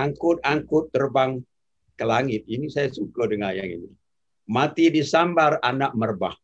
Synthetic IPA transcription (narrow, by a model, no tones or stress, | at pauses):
aŋkʊt̪̚aŋkʊt̪̚ːərbaŋ | kəlaŋɪt̪̚inisajasukədəŋaja̰ŋḭni | mat̪idisambaranak̚mərba̰h